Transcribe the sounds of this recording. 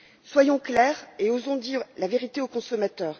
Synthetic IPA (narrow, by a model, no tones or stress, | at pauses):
swajɔ̃klɛʁeozɔ̃d̪iːʁlaveʁit̪eokɔ̃sɔmat̪œːʁ